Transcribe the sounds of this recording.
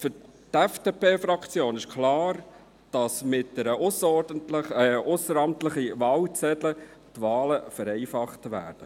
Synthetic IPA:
fʏɾ | tɛfd̥epʰeːfɾɑkt͡sjoːnɪʃkʰlɑːɾ | d̥ɑsmɪt̚dɛɾəʊsəɔdəntlʊsəɾɑmtləχiʋɑːlt͡sɛdlə | tʋɑːləfəɾɛɪfɑχtʋæ̰ːd̥ə

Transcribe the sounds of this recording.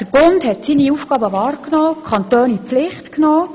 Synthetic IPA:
d̥əɾb̥ʊndhɛtsiniufɡ̥ɑːbəʋɑːɾknoːkʰɑnt̪oːnip͡flɪχtknoː

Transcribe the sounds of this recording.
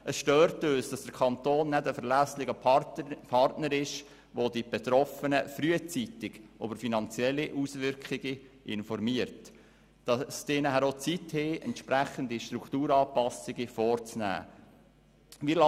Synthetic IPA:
ʔəsʃtøːɾtøːsd̥ɑsd̥əɾkʰɑnt̪oːnːɛdəfəɾlæslɪɡəpʰɑrtnəɾɪʃ | ʋod̪ib̥ɛt̪ɾɔfənəfɾyət͡sit̪ɪɡʔobəɾfinɑnt͡sjɛlːiʔusʋʏɾkχiɡiʔɪnfɔɾmiəɾt | d̥ɑst̪eːnəɦæɾot͡sithɪːɛ̰ntʃpɾæχənd̪iʃtɾukχt̪uːɾɑːpɑsɪɡifɔːɾt͡snæ̰ː | ʋilɑ

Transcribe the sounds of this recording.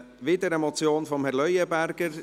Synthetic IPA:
ʋɪd̪əɾəmɔt͡sjoːnfɔmhɛɾlœjəbæɾɡəɾ

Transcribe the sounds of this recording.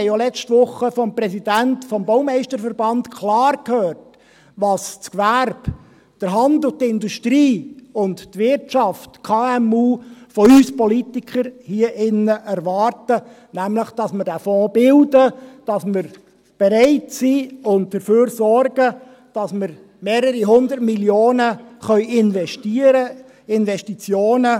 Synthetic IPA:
jjɔlɛt͡ʃtʋʊχːəfɔmprɛsidæntfɔmbɔʊmɛɪʃtəɾfəɾbɑntkʰlɑːrkhøːrt | ʋɑst͡skʋærb̥ | d̥əɾɦɑndʊtɪnduʃtɾiːʊnttʋɪɾtʃɑftkʰɑːɛmuːfɔyːspɔlitikχəɾhiəʔɪnːəʔæɾʋɑːrtə | næmləχd̥ɑsməɾd̥æfɔːb̥ɪldəd̥ɑsmɪɾ | b̥eɾaɪtsiːʊnt̚d̥əføːɾsɔrɡə | d̥ɑsməɾ | meːɾəɾiɦʊndətmiljoːnəχœʏʔɪnvɛʃtiəɾə | ɪnvɛʃtit͡sjoːnə

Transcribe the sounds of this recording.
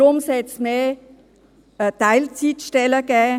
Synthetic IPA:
ʊmsɛt͡smeː | taɪlt͡sitʃtɛləɡɛː

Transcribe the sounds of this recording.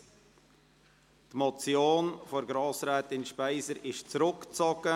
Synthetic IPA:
t̪mɔt͡sjoːnfɔɾɡɾɑːsɾɛːt̪ɪnʃpæɪsəɾɪʃt͡sɾʊkt͡sɔɡ̥ə

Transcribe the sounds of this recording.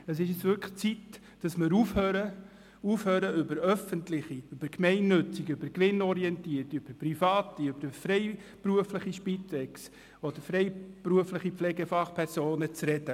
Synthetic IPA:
əs̬ɪʃɛt͡sʋʏɾkχt͡sit | d̥ɑsməɾufhøːɾə | ufhøːɾəʏbəɾœfəntlɪχiʏb̥əɾkmɛɪnːʏt͡sɪɡʏbəɾkʋɪnɔɾiɛntiːəɾtøb̥əpr̥ifɑːtiʏb̥əɾfɾɛɪpɾuəfləχiʃpitɛks | od̥əɾfɾɛɪbɾuəflɪχipflɛɡəfɑχpʰɛɾsoːnət͡srɛd̥ə

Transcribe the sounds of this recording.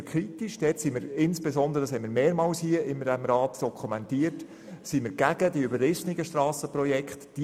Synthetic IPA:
kʰχɾitiʃd̥ɛːtsiməɾɪnsb̥esɔnd̪əɾədɑshɛmɪɾmeːɾmɑːwshiəʔɪmdɛmɾɑːtd̥ɔkʰχumɛntiət | simɪɾɡ̥æɡ̥ədiøbəlɪsniɡəʃtrɑːsəprɔjɛkχtd̥i

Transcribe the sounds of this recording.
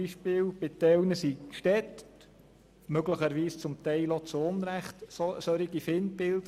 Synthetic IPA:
iʃpɪːwb̥ɪt̪ɛwnəsikʃtɛt̪ | møɡləχəɾʋiːst͡sʊmt̪ɛɪlot͡sʊnɾæχt̪ssœɾiɡifɪnbɪld̪

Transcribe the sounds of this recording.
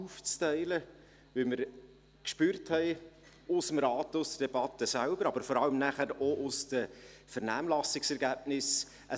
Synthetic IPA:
uft͡stɛɪlə | ʋɪlməɾ | kʃpyːɾthɛɪ | ʊsəmɾɑːt̪ʊsd̥̪əd̥ɛbɑtːəsælbəɾɑbəɾfɔɾɑləmnæχəɾoʔʊsd̥əfəɾnæːmlɑsɪksɛɾɡæb̥nɪs | ʔə

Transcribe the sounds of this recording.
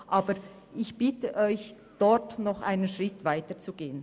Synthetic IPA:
ʔaːbəɾ | ʔɪçb̥ɪtəʔɔʏç | d̥ɔɾtnɔχʔa̰ɪnənʃʁɪtv̥aɪtət͡suɡeːən

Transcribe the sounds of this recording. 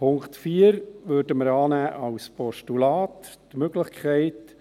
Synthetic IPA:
pʰʊŋktfiːəɾʋøːɾdəməɾɑːnæːʔɑwspɔʃtulɑːttmøɡ̥lɪχkʰɛɪt

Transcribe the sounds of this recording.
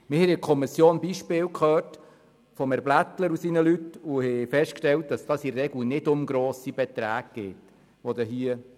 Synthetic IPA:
mɪɾhɛɪɪkʰɔmisjoːnbiʃpɪːwkχœːt | fɔmɛɾblæt̪ləɾusinəlytʊhɛfɛʃtkʃtɛlt̚d̥ɑsd̥ɑːsiɾːɛɡl̩nɪdʊmɡɾoːsib̥ɛt̪ɾæːɡ̚ɡ̥eːt | ʋɔd̪əɦiə

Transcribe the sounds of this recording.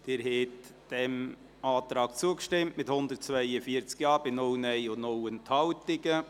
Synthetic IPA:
d̥ɪːɾhɛtd̥ɛm | ɑːt̪ɾɑːkt͡suəkʃtɪmtmɪthʊnd̪əɾt̚t͡svœɪəfiːəɾt͡skjɑːɾbɪnownɛɪʊnɔwənt̪hɑwt̪ɪɡə

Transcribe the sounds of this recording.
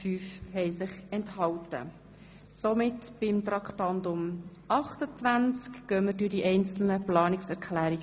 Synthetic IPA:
fyːfhɛɪsɪχɛnthɑltə̰ | somɪtb̥ɪmt̪ɾɑkχtɑndʊm | ʔɑχtət͡sʋænt͡skɡ̥œːməɾdydiʔɛɪnt͡sl̩nəplɑːnɪksɛɾkʰlæːɾiɡ

